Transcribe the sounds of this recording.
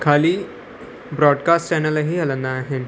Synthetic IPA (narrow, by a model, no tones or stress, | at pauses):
kʰaliː | bɾɔɖkasʈt͡ɕɛnəlaɦiɦalənːaːɦe